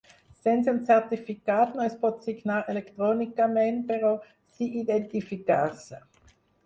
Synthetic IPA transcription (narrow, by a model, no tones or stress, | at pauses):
sɛnsiunt͡sɛʁt̪ifikaːt̪nɔɛst̪̚pot̪siɡnaːlʔelekt̪ʁonikamɛnt̚peʁɔ | siʔid̪ent̪ifikaːs